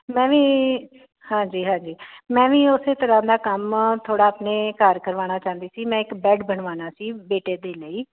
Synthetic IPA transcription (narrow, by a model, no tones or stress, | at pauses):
mɛ̃ːʋiː | hãːd͡ʒiːɦãːd͡ʒiːmɛ̃ːʋĩːʊseːt̪əɾãːd̪aːkəmt̪ʰoːɽaːəpneːkəɾkəɾʋaːñaːt͡ʃãːnd̪iːsiːmɛ̃ːɪkbɛːɖbəɳʋaːnaːsiːbeːʈeːd̪eːləiː